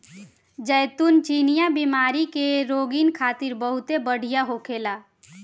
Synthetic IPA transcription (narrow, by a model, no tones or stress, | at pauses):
d͡ʒəjt̪unt͡ʃinijabimaɾikeɾoɡinkʰat̪iɾbəɦut̪ebəɽ̤ijaɦokela